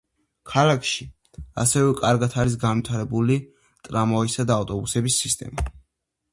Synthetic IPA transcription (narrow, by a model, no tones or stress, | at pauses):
kʰalakʰʃi | a̰sɛvɛkʼaɾɡat̪ʰaɾis̬ɡanwit̪ʰaɾɛbuli | t̪ʼɾamɔisad̪aːft̪ʼɔbusɛbisːist̪ʼɛ̰ma